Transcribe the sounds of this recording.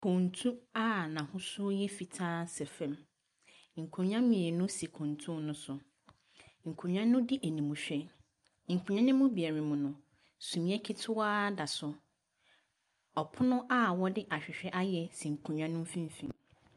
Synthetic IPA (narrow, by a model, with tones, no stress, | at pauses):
kʰõ˨n˨tʰũ˦a˦nã˨hʊ̃˦sʊ˦jɛ˦fi˨tʰaː˦sɛ˨fɛ̃˦m | ŋ̩˨kʰũ˨ɲᶣ˦ã˦mĩ˨ɛ˨nʊ̃˦si˨kʰɔ̃˨n˨tʰũ˦nʊ̃˦sʊ˨ | ŋ̩˨kʰũ˨ɲᶣã˦nʊ̃˦di˦ʔæ˨nĩ˨mũ˨ɕᶣɛ˦ | ŋ̩˨kʰũ˨ɲã˦nʊ̃˦mʊ̃˦bi˨ɛ˨ɾi˨mũ˨nʊ̃˨ | sũ˨mĩ˨˦ɛ˦kʰɪ˦tʰʊ˦waː˦da˨sʊ˨ | ɔ˨pʰʊ˦nʊ̃˦ʔa˦wɔ˦dɪ˦ʔa˨ɕᶣɪ˨ɕᶣɛ˦ʔa˦jɛ˨sɛ˨ŋ̩˨kʰũ˨ɲᶣ˨ã˦nʊ̃˦m̩˦fĩ˦m˦fḭ̃˨m